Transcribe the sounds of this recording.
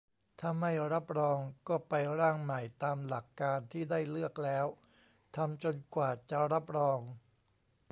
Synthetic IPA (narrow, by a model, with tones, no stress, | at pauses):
t̪ʰaː˥˩ma˥˩jɾa˦˥p̚ɾɔː˧ŋkɔː˥˩pa˧jɾaː˥˩ŋma˨˩jt̪aː˧mla˨˩kːaː˧nt̪ʰiː˥˩daː˥˩jlɯ˥˩ək̚lɛː˦˥w | t̪ʰa˧mt͡ɕo˧nkwaː˨˩t͡ɕa˨˩ɾa˦˥p̚ɾɔː˧ŋ